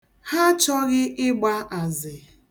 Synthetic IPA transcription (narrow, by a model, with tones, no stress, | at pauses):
ha˦t͡ʃɔ˦ɣɪ˦ʔɪ˦ɡ͡ba˦a˨zɪ˨